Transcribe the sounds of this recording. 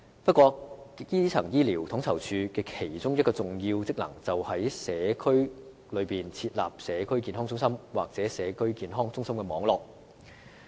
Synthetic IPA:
pɐ˥t̚kʷɔː˧jiː˥t͡sʰɐ˨˩ŋjiː˥liː˨˩wt̪ʰʊ˨˥ŋt͡sʰɐ˨˩wt͡ʃʰyː˨˧kɛː˧kʰe˨˩jt͡sʊ˥ŋjɐ˥t̚kɔː˧t͡sʊ˨ŋjiː˧wt͡sɪ˥k̚lɐ̰˨˩ŋt͡sɐ˨whɐ˨˥jsɛː˨˧kʰɵ˥ɥ | lɵ˨˧ɥpiː˨nt͡sʰiː˧t̚la̰ː˨p̚sɛː˨˧kʰɵ˥ɥkiː˧nɦɔː˥ŋt͡sʊ˥ŋsɐ˥mwaː˨k̚t͡sɛː˨˥sɛː˨˧kʰɵ˥ɥkiː˨˧nɦɔː˥ŋt͡sʊ˥ŋsɐ˥mkɛː˧mɔː˨˥ŋlɔː˨˩k̚

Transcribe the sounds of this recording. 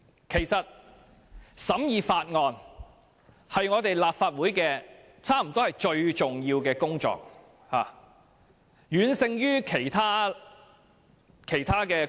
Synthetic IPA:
kʰe˨˩jsɐ˨t̚ | sɐ˨˥mjiː˧faː˧t̚ŋɔː˧n | hɐ˨jŋɔː˨˧t̪e˨jlaː˨p̚faː˧t̚wu˨˥jkɛː˧ | t͡sʰaː˥m̩˨˩t̪ɔː˥hɐ˨jt͡ʃɵ˧ɥt͡sʊ˨ŋjiː˧wkɛː˧kʊ˥ŋt͡sɔ̰ː˧k̚ | ha̰ː˨˩ | jyː˨˧˥nsɪ˧ŋjyː˥kʰe˨˩jt̪ʰaː˥ | kʰe˨˩jt̪ʰaː˥kɛː˧

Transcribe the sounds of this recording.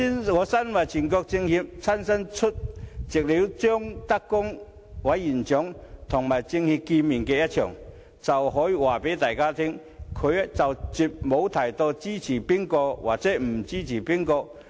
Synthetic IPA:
i˥nŋɔː˨˧˥sɐ˥nwa˨˩jt͡ɕʰi˨˩nkɔː˧k̚t͡sɪ˧ŋhi˧p̚t͡sʰɐ˥nsɐ˥nt͡ʃʰʊ˥t̚t͡sɪ˨k̚li˨˥wt͡ʃœː˥ŋt̪ɐ˥kːʊ˥ŋ | wa˨˥jːiː˨˩nt͡sʊ˨˥ŋt̪ʰʊ˨˩ŋmaː˨jt͡sɪ˧ŋhi˧p̚ki˧nmiː˨˩nkɛː˧jɐ˥t̚t͡ʃʰœː˨˩ŋ | t͡sɐ˨˩wɦɔː˨˥jiː˨waː˨˩pe˨˥jt̪aː˨jkaː˥t̪ʰɪ˥ŋ | kʰɵ˨˧ɥt͡sɐ˨wt͡si˨p̚mo˨˧wt̪ʰɐ˨˩jt̪ɔː˧t͡siː˥t͡sʰiː˨˩pi˥ŋkɔː˧wa̰ː˨k̚t͡sɛː˨˥m̩˨˩t͡siː˥t͡sʰiː˨˩pi˥ŋkɔː˧k̚

